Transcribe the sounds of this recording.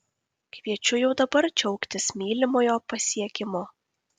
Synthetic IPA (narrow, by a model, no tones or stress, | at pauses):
kʋʲiɛt͡ʃʲʊjɛʊd̪ɐbɐɾt͡ʃʲɛʊkt̪ʲɪsmʲiːlʲɪmoːjoːpɐsʲiɛkʲɪmoː